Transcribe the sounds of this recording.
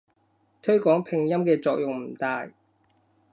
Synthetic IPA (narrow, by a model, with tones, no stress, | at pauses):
t̪ʰɵ˥ɥkɔː˨˥ŋpʰɪ˨˧ŋjɐ˥mkɛː˧t͡sɔː˧k̚jʊ˨ŋm̩˨˩t̪aː˨j